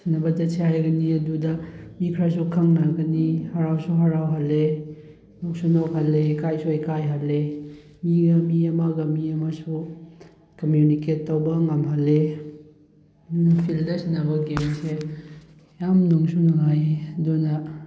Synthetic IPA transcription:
sinɐbɐd͡ʒɐsʰehajɡɐniɐdudɐmikʰɾas̬ukʰaŋnaɡɐnihaɾawsuɦaɾawɦale | nɔk̚sunɔkhalːekajsuejkajɦale | miɡɐmiɐmaɡɐmiɐmasu | kɐmjuniketːawbɐŋamɦalːe | dnɐpʰildɐsinːabɐɡemse | jamnɔŋsunaŋajdɔnɐ

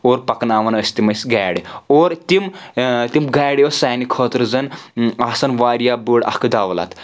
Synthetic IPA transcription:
oːɾpɐknaːʋɐnɐsʲt̪imɐsɡaːɽioːɾt̪imt̪imɡaːɽeʋɐsaːnikʰoːt̪ɾɨzɐnaːsɐnʋaːɾijaːbuɽɐ̰kɨd̪aːʋla̰t̪

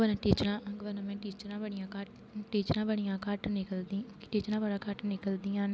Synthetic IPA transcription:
ʋənãʈiːt͡ʃəɾãːɡəʋənãmɛ̃ːʈiːt͡ʃəɾãːbəɳɪjãːkaʈ | ʈiːt͡ʃəɾãːbəɳɪjãːkaːʈnɪkəld̪ĩːʈiːt͡ʃnãːbəɽãːkaʈnɪkəld̪iːãːn

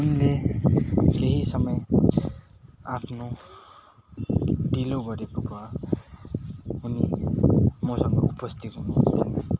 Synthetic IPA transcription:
unle | keɦisʌmʌj | apʰno | ɖiloɡʌɾekokua | ɦunḭ | mosʌŋɡʌ̰upʌst̪it̪unut̪ʰina

